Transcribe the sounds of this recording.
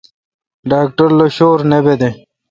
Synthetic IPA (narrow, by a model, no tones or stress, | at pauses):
ɖaːk̚ʈəɾloɕoːɾnebed̪e